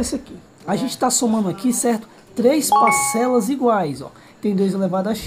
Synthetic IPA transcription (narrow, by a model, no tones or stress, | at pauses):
ɛsaki | aʒẽnt͡ʃɪ̥t̪asomɐ̃nd̪ʊakisɛɾt̪ʊ̥ | t̪ɾejspasɛlɐziɡwajzɔ̰ | t̪ẽj̃d̪ojzelevad̪ɐʃ